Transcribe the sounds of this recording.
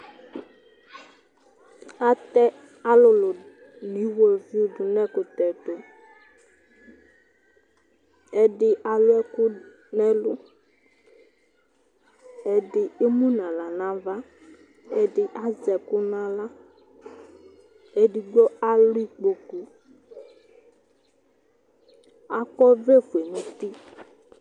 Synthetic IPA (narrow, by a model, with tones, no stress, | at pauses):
a˦t̪ɛ˦ | a˨lʊ˨lʊ˨ | nĩ˨˦wo˦˨e˨vi˦u˦˨ɖʊ˨nɛ̃˦kʊ˨t̪ɛ˨t̪o˨ | ɛ˦ɖɪ˦ʔa˨lʊ˦ɛ˦kʊ˦ | nɛ̃˦lʊ˦ | e˦ɖɪ˨e˦mũ˦nã˨la˨nã˨va˦ | e˦ɖɪ˦ʔa˦zɛ˨ku˦nã˦la˦ | e˦ɖi˨ɡ͡bɔ˦a˦lʊ˦i˦k͡po˨ku˦ | a˨kɔ˦ve˦fu˨e˨nũ˦t̪i˦